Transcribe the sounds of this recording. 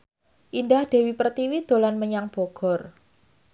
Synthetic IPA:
ʔindahd̥e̤wipərt̪iwid̪̥o̤lanməɲaŋb̥oɡ̥ɔ̤r

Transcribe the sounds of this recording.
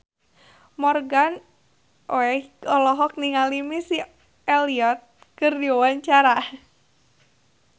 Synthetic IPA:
mɔrɡan | ʔoɛɔlɔɦɔk̚niŋalimisi | ɛliɔt̪̚ | kɨrdiɔwaɲt͡ʃaɾa

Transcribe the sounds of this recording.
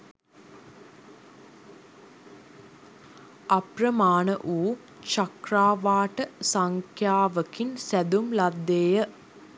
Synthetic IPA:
aprəmaːnəʔuː | t͡ʃakraːʋaːʈəsaŋkʰjaːʋəkinsæd̪umlad̪ːeːjə

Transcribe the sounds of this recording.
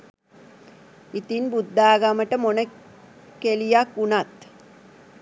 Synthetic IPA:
it̪inbud̪ːaːɡaməʈəmonə | kelijakːunat̪

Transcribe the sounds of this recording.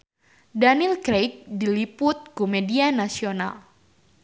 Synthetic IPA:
danilkɾejk̚dilipʊt̪̚komedianasiona̰l

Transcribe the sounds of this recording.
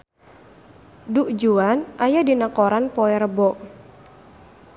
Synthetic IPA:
duʔd͡ʒuanʔajadinakɔɾanpɔɛɾəbɔʔ

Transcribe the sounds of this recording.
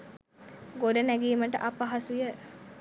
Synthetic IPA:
ɡoɖənæɡiːməʈə̰ʔapaɦasujə

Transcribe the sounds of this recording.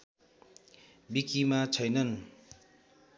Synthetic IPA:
bikimat͡sʰʌjnʌn

